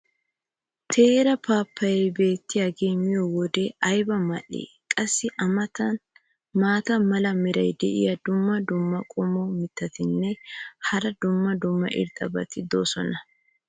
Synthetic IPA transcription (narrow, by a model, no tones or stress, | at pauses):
t̪ʰe̞ːɾɐpaːpːɐjɛjbe̞ːt̪ːɪjaɡemɪjɔwɔd̪eɐjbɐmɐʔḛː | kʼɐsːɪʔɐmɐt̪ɐn | maːt̪ɐmɐlɐmɪɾɐjd̪ɛ̰ʔɪ̰jɐd̪ʊmːɐd̪ʊmːɐkʼɔmɔmɪt̪ːɐt̪ɪnːɛhɐɾɐd̪ʊmːɐd̪ʊmːɐ̰ʔɪ̰ɾt̪ʼɐbɐt̪ɪd̪o̞ːsɔnɐ